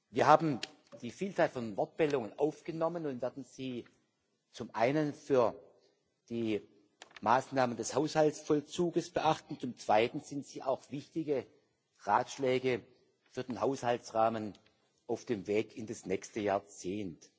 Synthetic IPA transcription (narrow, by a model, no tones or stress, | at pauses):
viːɐhaːbm̩ | d̥iːfiːlt͡saːlfɔnvɔt̚b̥ɛldʊŋənʔaʊfɡ̥ənɔmənʊntvɛːɐdn̩z̥iː | t͡sʊmʔaɪnənfyːɐ | d̥iː | maːsnaːməndɛshaʊshaltsfɔlt͡suːɡəsb̥əʔaχtn̩t͡sʊmt͡sv̥aɪtn̩z̥ɪntz̥iːʔa̰ʊxv̥ɪçtɪɡə | ʁaːtʃlɛːɡə | fyːɐdeːnhaʊshaltsʁaːmən | ʔaʊfd̥eːmveːkʰɪndasnɛçstəjaːɐt͡seːnt